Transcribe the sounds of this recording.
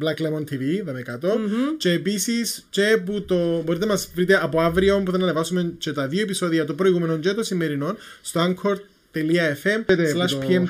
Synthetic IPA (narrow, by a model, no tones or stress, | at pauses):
blɐklemont̪ʰiviðɐmekat̪o̞t͡ʃeːpisist͡ʃe̞put̪obo̞ɾit̪enɐmɐsvɾit̪eʔɐpoavɾio̞mpuðenɐnevɐsument͡ʃe̞t̪ɐðioe̞piso̞ðiɐt̪opɾo̞jɣume̞nont͡ʃet̪osimːeɾino̞nst̪oɐŋkʰoɾd̪ | t̪ːe̞liɐefemslɐʃpiem